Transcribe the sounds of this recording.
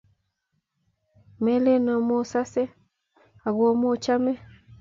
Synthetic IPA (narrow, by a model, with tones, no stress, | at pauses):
mɛ˦le˦nɔ˨mo˦sa˦sɛ˦ | a˨ɣɔ˦mo˦˨t͡ʃa˦mɛ˦